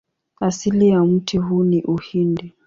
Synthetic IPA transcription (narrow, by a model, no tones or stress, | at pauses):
asiliam̩tʰiɦuniʔuhindi